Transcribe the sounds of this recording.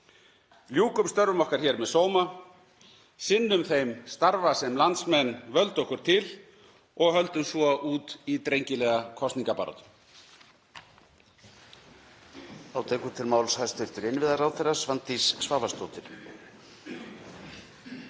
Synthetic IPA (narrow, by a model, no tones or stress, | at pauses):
ljuːkʏmst̪œɾvʏmɔhkaɾ̥çɛːɾmɛðsoːwma | sɪnːʏmθejmst̪aɾvasɛmlant̪smɛnːvœlt̪ɔhkʏɾ̥t̪ʰɪl | ɔɣhœlt̪ʏmsvɔʔuːt̪it̪ɾejɲcɪlɛːɣakʰɔst̪niŋkapa̰ɾɔ̰t̪ʏ | awt̪ʰɛːkʏt̪ʰɪlmaːwlshajst̪ʏɾ̥t̪ʏɾɪnvɪðaɾawθɛrːasvant̪isːvaːvast̪oːt̪ɪɾ̥